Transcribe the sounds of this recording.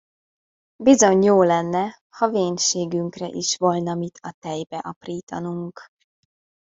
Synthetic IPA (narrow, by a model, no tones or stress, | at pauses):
bizo̞ɲjoːlɛnːɛ | hɒveːɲʃeːɡyŋkrɛ̰ʔiʃʋolnɒmit̪ʰɒt̪ɛjbɛʔɒpriːt̪ɒnuŋk